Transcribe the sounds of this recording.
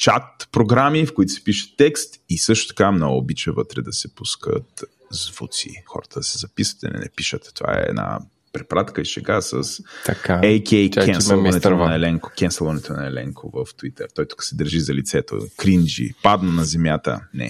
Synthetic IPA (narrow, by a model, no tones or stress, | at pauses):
t͡ʃat̪̚pɾoɡɾamifkoit̪ʊ̥sɛ̥piʃə̥t̪ːɛkst̪isɤʃt̪ʊ̥t̪ɐ̥kamnɔɡʊbit͡ʃɛvət̪ɾɛd̪ɐsɛpuskə̰t̪ | zvut̪sḭxɔ̰ɾət̪əd̪ɐsɛzɐpisə̥t̪ɐ̰nɛ̰nɛ̰piʃət̪t̪ova̰ɛ̰ɛ̰d̪na̰ | pɾɛpɾat̪kəiʃɛɡasə̰st̪ɐkaɛjkʲɛjɛnsɛlˠɐnɛt̪onɐɛlɛŋko̥kʲɛnsɛlˠvɐnɛt̪onɐɛlɛŋkʰovəft̪it̪ɛɾt̪ɔjt̪u̥kə̥sɛd̪əɾʒizɐlit̪sɛt̪o̰kɾind͡ʒḭpad̪nonɐzɛmjat̪ə̰nɛ̰